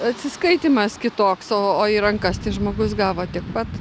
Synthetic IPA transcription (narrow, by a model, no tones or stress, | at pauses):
ɐt̪ʲsʲɪskɐɪt̪ʲimɐskʲɪt̪oːksoːoːiɾɐŋkɐst̪ʲɐɪʒmoːɡʊsɡɑːʋoːt̪ʲɪɛk̚pɐt̪